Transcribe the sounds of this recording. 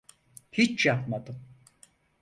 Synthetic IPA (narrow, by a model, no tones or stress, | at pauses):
hit͡ʃjap̚mad̪ɯm